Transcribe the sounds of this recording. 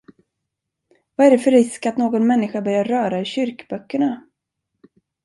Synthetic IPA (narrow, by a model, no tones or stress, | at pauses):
vaæɖɛfœɾːɪskat̪noːɡɔnmɛnːɪɧabœɾjaɾœːɾaɵɕʏɾkbœkːəɳa